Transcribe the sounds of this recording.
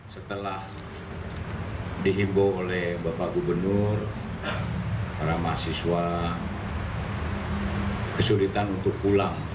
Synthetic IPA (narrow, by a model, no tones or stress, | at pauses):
sət̪əlah | diɦimboolɛhbapaɡubərnʊr | paɾamasiswa | kəsulit̪anunt̪ʊk̚pulaŋ